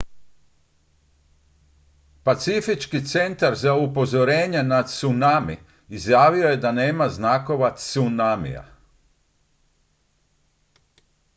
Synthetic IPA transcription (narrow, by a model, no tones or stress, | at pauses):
pat̪sifit͡ʃkit̪se̞nt̪aɾzaupo̞zo̞ɾeːɲenat̪sunamiː | zjaːʋioje̞d̪aneːmaznako̞ʋat̪sunamḭja̰